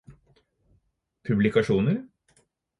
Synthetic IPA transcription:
pʰʉblɪkɑʂuːnəɾ

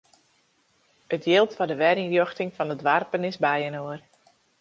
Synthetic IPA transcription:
ətjɪːlˠtfɔdəʋɛɾɪŋrjoxtɪŋfɔndədʋarpənɪsbɛjənoər

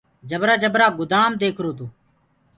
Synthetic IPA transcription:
d͡ʒəbɾaːd͡ʒəbɾaːɡʊd̪aːmd̪eːkʰɾoːt̪oː

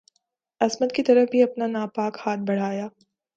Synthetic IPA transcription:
ɐsmət̪̚kit̪ɐɾəfbʱiɐpnanaːpaːkhaːt̪̚ʰbɐɽ̤aːjaː

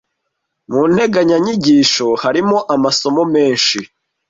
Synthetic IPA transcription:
muːn̥he̞ɡaɲaɲiɟiːʃo̞haɾimo̞ʔamaso̞mo̞me̞ːnʃi

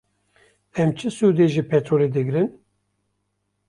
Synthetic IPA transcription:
ɛmt͡ʃʰɨsud̪eʒipʰɛt̪ɾoːled̪ɨɡɾɨn

